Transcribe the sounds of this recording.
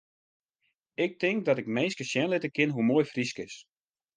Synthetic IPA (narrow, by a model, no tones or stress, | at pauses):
ɪk̚tɪŋk̚dɔtɪkmeːskəsjɛnlɪtəkɪnɦumoːjfriskɪs